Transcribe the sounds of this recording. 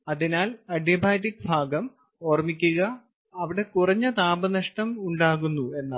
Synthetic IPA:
ɐðinaːlɐɖijɐbʱaːʈikːbʱaːɡɐm | oːrmikʲːuɣɐ | ɐʋiɽe̞kurɐɲːɐt̪aːbɐnɐʂʈɐmuɳɖaːɣunːue̞nːaː

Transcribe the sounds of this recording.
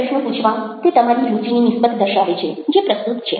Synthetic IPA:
əʂnə̃put͡ʃʰʋãt̪et̪əmaɾid͡ʒʱut͡ʃininisbət̪d̪əɾʃaʋet͡ʃʰed͡ʒepɾəst̪ut̪t͡ʃʰḛ

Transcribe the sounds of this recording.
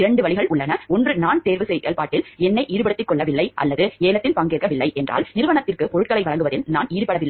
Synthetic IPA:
ɪɾɐɳɖɯʋɐɭɪɣɐɭʔʊɭːɐnɐɔndrɯnaːnt̪eːɾʋɯsɛjeːlpaːʈːɪlɛnːɐɪʔiːɾɯpɐɽɯt̪ːɪkːɔɭːɐʋɪlːɐɪʔɐ̰lːɐðɯeːnɐt̪ːɪlpɐŋɡeːrkɐʋɪlːɐɪʔɛndrʔa̰ːlnɪɾɯʋɐɳɐt̪ːɪrkɯpɔɻɯʈ̚kɐɭɐɪʋɐɻɐŋɡɯʋɐðɪlnaːniːɾpɐɽɐʋɪlːɐ

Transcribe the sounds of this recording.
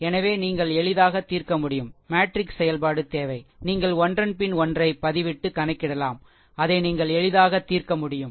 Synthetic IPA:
ɛnɐʋeːniːŋɡɐɭɛɭɪðaːɣɐt̪ːiːrkɐmʊɽɪjɯmmaːʈɾɪksɛjɐlpaːɽɯt̪eːʋɐɪniːŋɡɐɭɔndrɐnpɪnɔndrɐɪpɐðɪʋɪʈːɯkɐnɐɪkːɪɽɐlaːm | ɐðɐɪniːŋɡɐɭɛɻɪðaːɣɐt̪ːiːrkɐmʊɽɪjɯm

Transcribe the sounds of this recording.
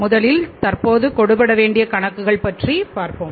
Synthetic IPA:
mʊðɐlɪlt̪ɐrpoːðɯkɔɽɯpɐɽɐʋeːɳɖɪjɐkɐɳɐkːɯɣɐɭpɐʈripaːɾpɯm

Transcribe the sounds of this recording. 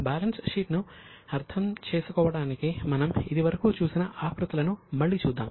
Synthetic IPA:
baːlɐnsʂiːʈnu | ɐɾt̪ʰɐmt͡ʃeːsukɔːʋɐɽaːnikimɐnɐmid̪iʋɐɾɐkuːt͡ʃuːsinɐʔaːkɾut̪ɐlɐnumɐɭːit͡ʃuːd̪ːa̰ːm

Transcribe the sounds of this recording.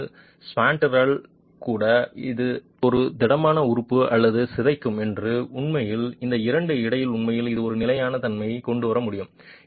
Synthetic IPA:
spaːɳʈɐɾɐɭ | kuːɽɐɪðɯ | ɔɾɯd̪ɪɽɐmaːnɐʊɾɯpːɯɐlːɐðɯsɪðɐɪkːɯmɛndrɯʊɳmɐjɪlɪnd̪ɐɪɾɐɳɖɯɪɽɐjɪlʊɳmɐjɪlɪðɯɔɾɯnɪlɐjaːnɐt̪ɐnmɐjkɔɳɖɯʋɐɾɐmʊɽɪjɯm

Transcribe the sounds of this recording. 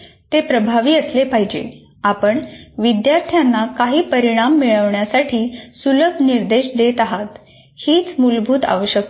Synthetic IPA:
t̪epɾəbʱaʋiːəslepaɦid͡ʑḛ | apəɳʋid̪jaɾt̪ʰjanːakaɦiːpəɾiɽ̃amːiɭəʋɳjasaʈʰiːsuləɡ̚niɾd̪eɕd̪et̪aɦat̪ | hiːt͡smulbʱuːt̪a̰ʋəɕjək̚

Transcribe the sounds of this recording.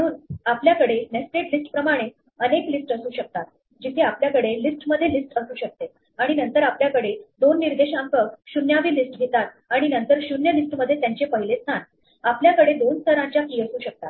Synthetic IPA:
məɽ̃uːnapljakəɽenesʈeʈlisʈpɾəmaɽ̃e | əneklisʈəsuːɕək̚t̪at̪̚ | d͡ʑit̪ʰeapljakəɽelisʈməd̪ʱːjelisʈəsuːɕək̚t̪et̪̚ | aɽ̃inənt̪əɾapljakəɽed̪onːiɾd̪eɕãŋkək̚ɕunjaʋiːlisʈɡʱet̪at̪̚aɽ̃inənt̪əɾɕunjəlisʈməd̪ʱːjet̪jaɲt͡ɕepəɦilet͡snan | apljakəɽed̪onst̪ʰəɾãɲt͡ɕjakiəsuːɕək̚t̪a̰t̪

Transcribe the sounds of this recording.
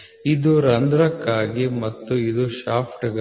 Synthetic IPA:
id̪uɾɐnd̪ɾɐkːaːɡimɐt̪ːuid̪uʃaːpʰʈɐɡɐ

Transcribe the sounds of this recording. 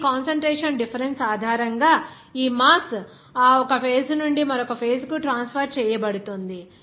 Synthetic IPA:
kaːnsɐɳʈɾeːʂɐnɖipʰɐɾensaːd̪ʱaːɾɐŋɡaː | iːmaːs | aːɔkɐpʰe̞ːsnuɳɖimɐɾɔkɐpʰeːskuʈɾaːnspʰɐɾt͡ʃɛːjɐbɐɽut̪ond̪i

